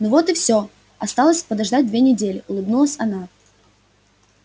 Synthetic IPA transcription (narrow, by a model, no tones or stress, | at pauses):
novot̪ɨfsʲo | ɐst̪alˠəsʲpəd̪ɐʐd̪at̚ʲd̪vʲenʲɪdʲelʲɪʊlˠɨbnulˠəsʲɐna